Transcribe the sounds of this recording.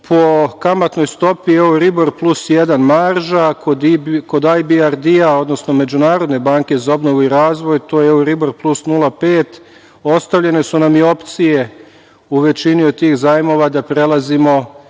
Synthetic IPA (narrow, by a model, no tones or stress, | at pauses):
pʰo̞kamat̪no̞jst̪o̞pieuɾibo̞ɾplˠusjed̪anmaɾʒakod̪ko̞d̪ajbiaɾd̪iao̞d̪no̞sno̞me̞d͡ʒunaːɾo̞d̪ne̞baːŋke̞zao̞bno̞ʋuiɾaːzʋo̞jt̪o̞jeeuɾiboɾplˠusnulˠapeːt̪ | o̞st̪aʋʎe̞ne̞sunamio̞pt̪sije̞ | uʋe̞t͡ɕiniod̪̚t̪ːiːxzaːjmo̞ʋad̪apɾe̞lˠazimo̞